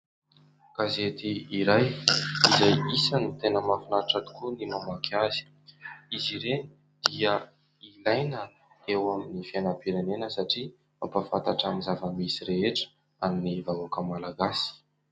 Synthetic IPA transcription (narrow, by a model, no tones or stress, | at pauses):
ɡ̥azet̪iiɾajizajisanit̪enəmafinaʈ͡ʂat̪u̥kunimamakʰazi̥ | iziɾe | d̪̥iə | ilajnə | ewaminifianapiɾenenəsaʈ͡ʂi | mampafa̰nt̪aʈ͡ʂaminzavəmisiɾeeʈ͡ʂə̥ | aminivawakəmalaɡasi̥